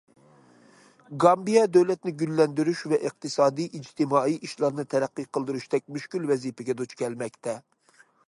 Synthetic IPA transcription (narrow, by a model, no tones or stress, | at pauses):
ɡɑmbijɑd̪øwlɛt̪nɪɡʲylːɛnd̪yɾyʃvɛʔɨq̚t̪ɨsɑːd̪ijʔid͡ʒt̪ʰɪmɑːiʔiʃlˠɑɾnɨt̪ʰɛɾæqːɨqʰəlˠd̪ɨɾuʃt̪ɛk̚ʲmyʃkʲylvɛzipɛɡʲɛd̪ot͡ʃkʲʰɛlmɛkʲt̪ʰɛ